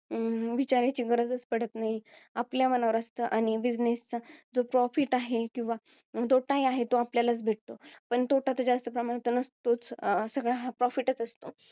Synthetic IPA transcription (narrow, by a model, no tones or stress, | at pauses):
ʋit͡ɕaɾjat͡ɕiːɡəɾəd͡zəspəɽ̤ət̪naɦiapljamənaʋəɾəst̪əːʔaɽ̃ibid͡ʑnest͡sad͡zopɾɔfiʈaɦekĩʋa | t̪oʈajaɦet̪oapljalət͡sbʱeʈ̚t̪opəɳt̪oʈat̪əd͡ʑast̪əpɾəmaɽet̪ənəst̪ot͡ssəɡɭaɦapɾɔfiʈət͡səst̪o